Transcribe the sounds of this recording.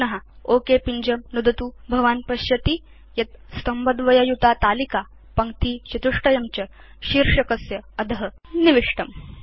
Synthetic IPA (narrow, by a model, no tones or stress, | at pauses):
nɐɦa | oːkepiɲd͡ʑɐmnud̪ɐt̪uːbʱɐʋaːnpɐɕjɐt̪i | jɐt̪̚st̪ɐmbɐd̪ʋɐjɐjut̪aːt̪aːlika | pɐŋkt̪iːt͡ɕɐt̪uʂʈɐjɐmt͡ɕɐ | ʃiɾʂɐkɐsjɐːd̪ɐɦɐ | niʋiʂʈɐm